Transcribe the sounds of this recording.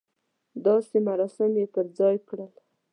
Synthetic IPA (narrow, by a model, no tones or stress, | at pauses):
d̪ɑsemaɾɑsɪmjepəɾd͡zɑjkɽəl